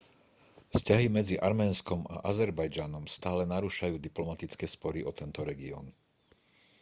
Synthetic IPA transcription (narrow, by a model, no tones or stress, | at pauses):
fscaɦimɛd͡ziʔaɾmɛːnskɔma̰ʔazɛɾbajd͡ʒanɔmst̪aːlɛnaɾuːʃajuːd̪iplɔmat̪it͡skɛːspɔɾiʔɔt̪ɛnt̪ɔɾɛɡiɔ̰n